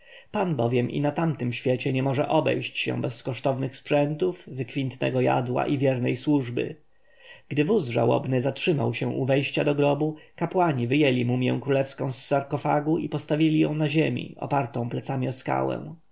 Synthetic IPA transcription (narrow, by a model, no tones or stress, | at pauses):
panbɔvʲjɛmʔḭnat̪amt̪ɘmɕfʲjet͡ɕɛɲɛmɔʐɛʔɔbɛ̰jɕt͡ɕɕɛ̰̃wbɛskɔʂt̪ɔvnɘxspʂɛnt̪uvvɘkfʲint̪nɛ̰ɡɔja̰d̪wa̰ʔivʲjɛɾnɛjswuʐbɘ̰ | ɡ̥d̪ɘvuzʐa̰wɔ̰bnɘzatʂɘmawɕɛ̃ʔuvɛjɕt͡ɕad̪ɔɡɾɔbukapwaɲivɘjɛlʲimumjɛ̰̃w̃kɾulɛfskɔ̃w̃sːaɾkɔfaɡuʔipɔst̪avʲilʲijɔ̃w̃naʑemʲḭʔɔ̰paɾt̪ɔ̃w̃plɛt̪samʲiɔska̰wɛ̰̃